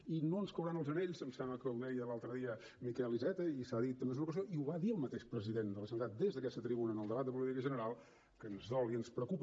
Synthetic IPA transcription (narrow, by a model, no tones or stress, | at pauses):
inoənskəwɾanəlˠzəneʎzəmsɛmbləkəlˠnejəlalˠt̪ɾəðiə | mikɛlizɛt̪əisaðit̪ːəmbez̬unəukəzoʔiuβaðiəlˠmət̪eʃpɾəziðend̪ələsənt̪at̪̚d̪ezðəkɛst̪ət̪ɾiβunəːnəlˠd̪əβat̪̚d̪əp̬ulit̪ikəʒənəɾalˠ | kənzðɔliənspɾəkup